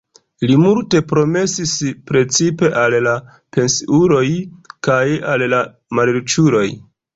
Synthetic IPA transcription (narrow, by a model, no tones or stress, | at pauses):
limulte̞pɾo̞me̞sispɾe̞t͡sipe̞ʔalːa | pe̞nsiuɾo̞jkajalla | maleɾt͡ʃuɾo̞j